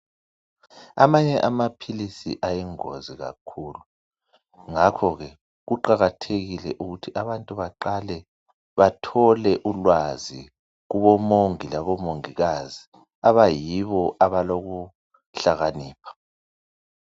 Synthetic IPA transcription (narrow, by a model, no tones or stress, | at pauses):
a̰maɲɛʔamapʰilisḭʔajɛŋo̰ziɣa̰kʰuːlu | ŋakʰɔɣɛ | ɣuǃaɣatʰeɣilɛʔuɣutʰiʔaβantʼuβaǃalɛ | βatʰɔlɛʔulwazi | ɣuβɔmoŋilaβɔmoŋiɣazi | aβajiβɔaβaloɣu | ɬaɣaniːpʰḁ